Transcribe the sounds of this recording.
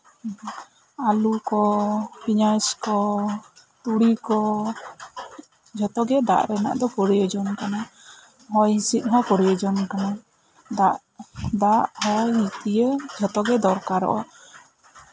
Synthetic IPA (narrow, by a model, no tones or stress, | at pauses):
alukɔpiɲaskɔ | t̪uɽikɔ | d͡ʒɔt̪ɔɡɛd̪a̰ʔɾɛna̰ʔd̪ɔpɔɾijəd͡ʒɔnkana | ɦɔjɦĩsit̪̚ˀɦɔkɔɾijəd͡ʒɔnkana | d̪aʔ | d̪aʔhɔjɦĩt̪ijəd͡ʒɔt̪ɔɡɛd̪ɔɾkaɾɔ̰ʔɔ̰